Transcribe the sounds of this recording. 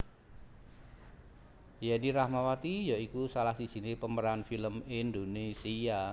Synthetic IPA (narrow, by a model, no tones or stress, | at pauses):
janiɾahmawat̪ijaikusalahsid̥ʒ̥i̤nepəməɾanfiləmind̪onesia